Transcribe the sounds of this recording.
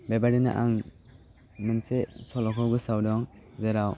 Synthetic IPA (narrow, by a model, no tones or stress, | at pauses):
bebadina̰ʔaŋ | mɯnsesɔlɔkʰɔwɡɯsawdɔŋzeɾaw